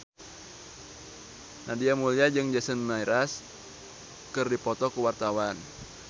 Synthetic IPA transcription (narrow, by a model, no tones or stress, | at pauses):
nadiamuliad͡ʒɨŋd͡ʒasənmaiɾas | kɨrdipɔt̪ɔkuwart̪awan